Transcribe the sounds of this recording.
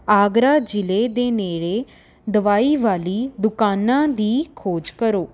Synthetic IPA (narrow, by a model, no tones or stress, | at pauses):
aːɡɾaːd͡ʒɪleːd̪eːneːɽeː | d̪əʋaːiːʋaːliːd̪ʊkaːnãːd̪iːkʰoːd͡ʒkəɾoː